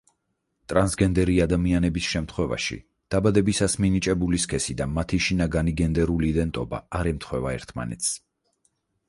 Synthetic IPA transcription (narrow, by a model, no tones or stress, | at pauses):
t̪ʼɾansɡɛnd̪ɛɾiad̪amianɛbisʃɛmt̪ʰχwɛva̰ʃḭ | d̪̥abad̪ɛbisasminit͡ʃʼɛbuliskʰɛsid̪amat̪ʰiʃinaɡaniɡɛnd̪ɛɾuliːd̪ɛnt̪ʼɔba̰aɾɛmt̪ʰχwɛvaɛ̰ɾt̪ʰma̰nɛ̰t̪s